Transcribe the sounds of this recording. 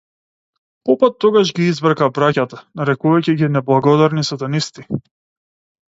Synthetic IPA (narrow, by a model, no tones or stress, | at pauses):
pɔpat̪ːɔɡaʒɡiizvɾkabɾacat̪anaɾɛkuvajciɟinɛblˠaɡɔd̪aɾnisat̪anist̪i